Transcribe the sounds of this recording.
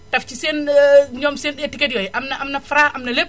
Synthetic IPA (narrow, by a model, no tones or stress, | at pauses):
tɐfciseːnɲɔːmseːnɗetːiket̚jɔjʔɐmnɐʔɐmnɐfɾaːʔɐmnɐlep̚